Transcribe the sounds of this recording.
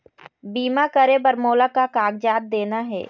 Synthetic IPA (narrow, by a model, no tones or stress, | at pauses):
biːmakəɾebəɾmoːlakakaːɡd͡ʒaːd̪̚d̪eːnaɦɛ̰ː